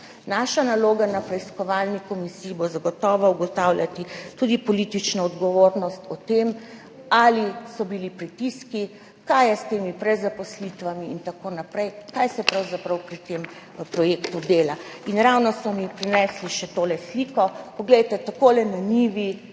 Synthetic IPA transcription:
naʃanaloːɡanapɾɛiskɔʋalnikɔmisiːibozaɡɔt̪ɔːʋɔuɡɔt̪awlʲjat̪it̪ud̪ipɔliːt̪it͡ʃnɔɔd̪ɡɔʋoːɾnɔst̪ɔt̪em | alisɔbilipɾit̪iski | kaːjɛst̪eːmipɾɛzapɔslit̪ʋamiːnt̪akoːnapɾɛjkajsɛpɾawzapɾɐwpɾit̪em | pɾɔjeːkt̪ud̪eːlainɾawnɔsɔmipɾinɛsliʃɛt̪oːlɛsliːkɔpɔɡlɛjt̪ɛt̪akoːlɛnaniʋi

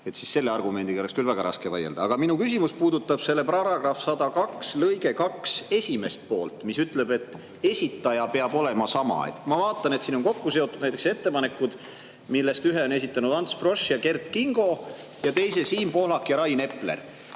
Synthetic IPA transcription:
e̞t̪sisse̞lːeɑrɡ̥ume̞nd̪iɡoekskylvæɡ̥ɑɾʔɑ̰skevɑjḛld̪ɑɑɡ̥ɑminukys̬imuspuːd̪ut̪ːˑɑb̥se̞lːe̞prɑɾɑɡ̥rɑfsɑd̪ɑkɑkslɤjɡe̞kɑkse̞sʲime̞st̪̚po̞ːlt̪misyt̪ˑle̞be̞t̪ːˑ | e̞sʲit̪ːˑɑjɑpe̞ɑbo̞le̞mɑsɑmɑ̰ḛt̪kmɑvɑːt̪ːˑɑne̞t̪siːno̞nko̞kːuseot̪ːˑud̪næjt̪ekse̞t̪ːe̞pɑne̞kːˑud̪̥ | milːe̞st̪yɦeo̞ne̞sit̪ːˑɑnud̪̥ɑnt̪sfro̞ʃjɑke̞rt̪ˑkiŋɡ̥o̞ | jɑt̪e̞js̬e̞siːmpo̞lɑkjɑɾɑjne̞pːˑle̞̰r

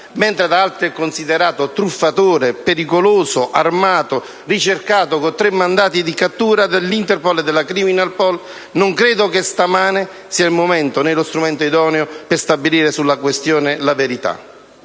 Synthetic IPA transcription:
ment̪ɾed̪aalt̪ɾiɛkːonsid̪eɾaːt̪ot̪ɾufːat̪oːɾepeɾikoloːsoʔarmaːt̪o | rit͡ʃerkaːt̪okot̪ːɾemːand̪aːt̪id̪ikat̪ːuːɾad̪elːint̪ɛrpolɛd̪ːelːakɾiminalpɔl | noŋkɾeːd̪okest̪amaːne | siːailmomɛnt̪onelost̪ɾumɛnt̪oid̪ɔːneoperst̪abiliːɾesulːakwest̪joːnelaveɾit̪a̰

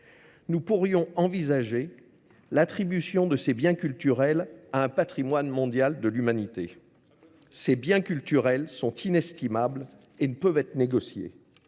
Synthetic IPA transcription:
nupuʁjɔ̃ɑ̃vizaʒe | lat̪χibysjɔ̃d̪əsebjɛ̃kʲylt̪yʁɛlaɛ̃pat̪χimwanmɔ̃d̪jald̪əlymanit̪e | sebjɛ̃kʲylt̪yʁɛlsɔ̃t̪ʰinɛst̪imabl | enəpœvɛt̪χneɡɔsjḛ

